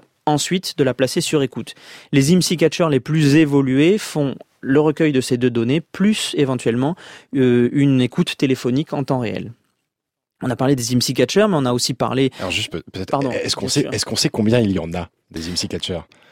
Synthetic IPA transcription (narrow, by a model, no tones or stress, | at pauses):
ɑ̃sɥit̪d̪əlaplasesyʁekut̪lezimsik̬ʲat͡ʃœʁleplyzevɔlyefɔ̃ | ləʁəkʲœjd̪əsed̪ød̪ɔneplysevɑ̃t̪ɥɛlmɑ̃ | ynekut̪ːelefɔnikɑ̃t̪ɑ̃ʁeɛ̰l | ɔ̃napaʁled̪ezimsik̬ʲat͡ʃœʁmɛɔ̃naosipa̰ʁlealɔ̰ʁʒyst̪ppøt̪ɛt̪paʁd̪ɔ̃ɛskɔ̃sɛɛskɔ̃sɛkɔ̃bjɛ̃iljɑ̰̃na | d̪ezimsikʲat͡ʃœʁ